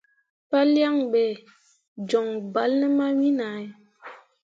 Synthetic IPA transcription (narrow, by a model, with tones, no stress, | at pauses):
pa˦lja˦˨ŋɓɛ˨ | d͡ʒɔ˨ŋba˨˦lnə˦ma˦wi˦na˨i˦